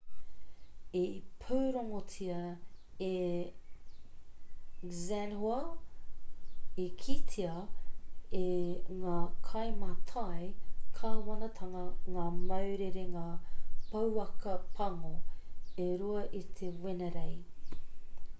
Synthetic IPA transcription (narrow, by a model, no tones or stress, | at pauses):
epʰuwɾoŋot͡sʰiɐe | zænhoɐ | ekʰitʰiɐ | eŋaːkʰɐjmɐt̪ʰaekʰaɦuwɐnɐt̪ʰɐŋɐŋaːmɐwɾeɾeŋaːpɐwɐkɐpʰɐŋoeɾuɐʔit̪ʰewenɐɾej